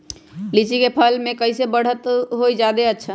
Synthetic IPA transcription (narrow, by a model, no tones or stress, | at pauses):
lit͡ʃikepʰəlmẽkəɪsebəɽ̤ət̪ɦoid͡ʒad̪eətːʃʰa